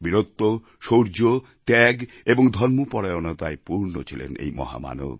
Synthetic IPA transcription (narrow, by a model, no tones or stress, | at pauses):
biɾot̪ːo | ʃoɾd͡ʑo | t̪ɛɡ | eboŋd̪ʱɔnmopɔɽajonot̪aepuɾno̰t͡ɕʰilḛnḛjmɔ̰ɦa̰ma̰no̰b